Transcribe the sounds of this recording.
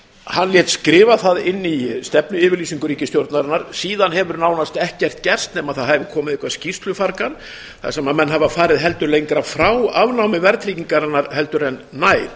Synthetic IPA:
hanljɛt̪skɾɪːvaθaðɪnːist̪ɛpnʏɪːvɪɾliːsiŋkʏɾiːcɪst̪jowɾt̪naɾanːaɾ̥siːðanɦɛvʏɾnaːwnast̪ɛhcɛr̥t̪cɛr̥st̪nɛːmaðθaðhaðvɪkʰɔːmɪðɪhkvaðscist̪lʏfaɾkan | θa̰sɛmamɛnːɦavafaːɾɪðɦɛlt̪ʏɾlejŋkɾafɾawavnawmɪvɛɾt̪ʰɾiːciŋkaɾanːaɾhɛl̪t̪ʏɾɛnːaːjɾ

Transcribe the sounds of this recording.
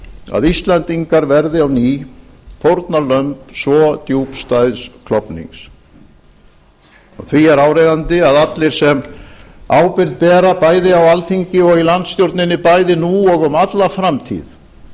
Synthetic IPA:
a̰ðist̪lɛnt̪iŋkaɾvɛɾðɪawniːpʰɔwɾt̪nalœmpsvɔt̪juːpst̪ajðskʰlɔpnḭŋs | ɔ̰ɣθviɛɾaːwɾɛjðant̪ɪaðat̪lɪɾ̥sɛm | aːwpɪɾðpɛːɾapaːjðɪawalθiɲcɪɔɣilant̪st̪jowɾt̪nɪnːɪpajðɪnuɔɣʏmat̪lafɾamt̪ʰḭð

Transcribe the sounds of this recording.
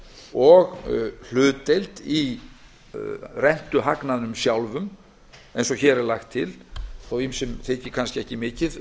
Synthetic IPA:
ɔɣl̥ʏːt̪ejlt̪i | rɛn̥t̪ʏɦaknaðnʏmsjawlvʏm | ejnsɔçɛːɾɛɾlaxt̪ʰːɪlθowimsɛmθecːɪkʰanscɪɛhcɪmɪːcɪð

